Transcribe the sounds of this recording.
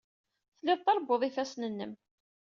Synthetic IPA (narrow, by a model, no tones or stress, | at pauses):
θlːɪðˤt̪ɑɾˤbːoðˤifæsnənːəm